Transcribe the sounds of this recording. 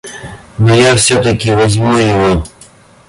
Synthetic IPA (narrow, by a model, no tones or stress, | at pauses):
nojafsʲot̪ɐkʲɪvɐzʲmujɪʋo